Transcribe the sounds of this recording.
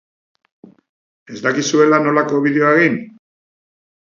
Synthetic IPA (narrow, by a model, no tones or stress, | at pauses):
e̞zd̪akisue̞lano̞lako̞β̞iðe̞oaeɣin